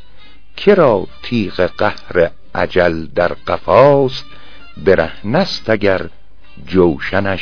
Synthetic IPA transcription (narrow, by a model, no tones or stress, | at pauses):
kʰeɾɒːt̪ʰiːɢeɢæhɾe | ʔæ̰d͡ʒæld̪æɾɢ̥æfɒːst̪̚ | beɾæhnæst̪ʰæɡæɾ | d͡ʒowʃænæʃ